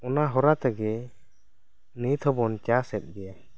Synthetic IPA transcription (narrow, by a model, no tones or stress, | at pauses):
ɔnaɦɔɾat̪ɛɡɛ | nit̪ʰɔbɔnt͡ʃasɛt̪̚ˀɡɛja